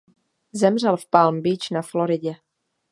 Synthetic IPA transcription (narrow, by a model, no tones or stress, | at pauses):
zɛmr̝ɛlfpalmbiːt͡ʃnafloɾɪɟɛ